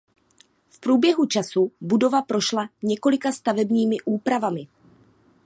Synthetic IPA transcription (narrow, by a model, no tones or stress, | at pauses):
fpɾuːbjɛɦut͡ʃasubudo̞vapɾo̞ʃlaɲɛko̞lɪkast̪avɛbɲiːmɪʔuːpɾavamɪ